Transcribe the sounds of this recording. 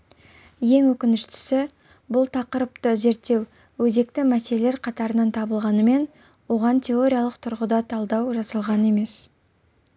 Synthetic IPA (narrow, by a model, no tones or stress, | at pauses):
je̞ŋwɵkʲɪnɪʃt̪ɪ̥sɪ | bʊlˠt̪ʰɑqəɾəpt̪əze̞ɾt̪ːe̞w | wɵze̞k̚t̪ɪmæse̞le̞le̞ɾqʰɑt̪ɑɾənɑnt̪ʰɑbəlˠʁɑnəme̞n | wo̞ʁɑnt̪ʲʰe̞o̞ɾʲijalˠəq̚t̪ʰʊɾʁʊd̪ɑt̪ʰɑlˠd̪ɑwʒɑsəlˠʁɑnəe̞me̞s